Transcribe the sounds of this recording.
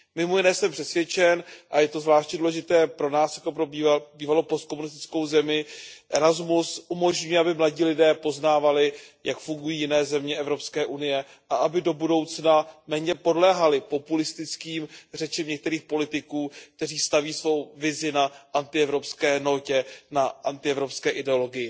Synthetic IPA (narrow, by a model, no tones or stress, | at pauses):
mɪmojɪnɛːsɛmpr̥ɛsvjɛt͡ʃɛnʔajɛt̪o̞zvlaːʃt̪ɲɛduːlɛʒɪt̪ɛːpɾo̞naːsjakt̪opɾobibiːvalopost̪̚komunɪs̬t̪ɪ̥t͡sko̞wzɛmɪʔɛɾazmusʔumo̞ʒɲujɛabɪmlaɟiːlɪdɛːpo̞znaːvalɪjakfuŋɡujiːjɪnɛːzɛmɲɛʔɛvɾo̞pskɛːʔunɪjɛ | ʔaʔabɪdo̞budo̞wt͡snamɛːɲɛpo̞dlɛːɦalɪpo̞pulɪst̪ɪt͡skiːmr̝ɛt͡ʃɛmɲɛk̚t̪ɛɾiːxpo̞lɪt̪ɪkuːk̚t̪ɛriːst̪aviːsvo̞wvɪzɪnaʔant̪ɪɛvɾo̞pskɛːno̞cɛnaʔant̪ɪɛvɾo̞pskɛːʔɪdɛo̞lo̞ɡɪjɪ